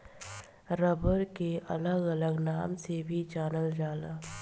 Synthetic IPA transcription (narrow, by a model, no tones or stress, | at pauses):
ɾəbəɾkeʔɐləɡɐləɡnaːmsebʱit͡ʃaːnəld͡ʒaːlaː